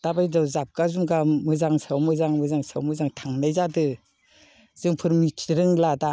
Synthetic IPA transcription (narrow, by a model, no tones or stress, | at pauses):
d̥abajdawzap̚kazumɡamɯzaŋsawmɯzaŋmɯzaŋsa̰wmɯzaŋtʰaŋnajzadɯ | zɯŋpʰɯɾmitʰɾɯŋlada